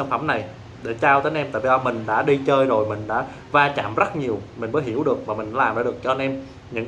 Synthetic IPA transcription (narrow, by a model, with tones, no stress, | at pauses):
nfə˧˩mna˨˩j | ɗe˧˩t͡ɕaː˧wt̪əː˨˦nʔɛ˧mt̪a̰ː˧˨vi˧˩a˧mï˨˩ŋ̟ɗa̰ː˧˥ɗi˧t͡ɕəː˧jzo˨˩jmï˨˩ŋ̟ɗa̰ː˧˥ | vaː˧t͡ɕa̰ː˧˨mzə˦˥t̚ɲi˨˩əwmï˨˩ŋ̟məː˨˦jɦi˧˩əwɗɨ˨˩ək̚maː˨˩mï˨˩ŋ̟ɗa̰ː˧lːmɗaː˧˦˥ɨ˨˩ək̚t͡ɕɔ˧nʔɛ˧m | ɲɨ̰˧˥ŋ